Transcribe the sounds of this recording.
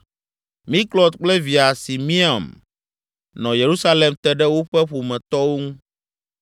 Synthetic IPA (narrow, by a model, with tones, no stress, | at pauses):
mĩ˦klɔ˨t̪̚k͡plɛ˦vi˨a˨si˨mĩ˦a˨m | nɔ̃˨je˨ɾu˦sa˦le˨mt̪ɛ˦ɖɛ˦wo˦ɸɛ˦ɸu˨mɛ̃˨t̪ɔ˦wo˦ŋũ˦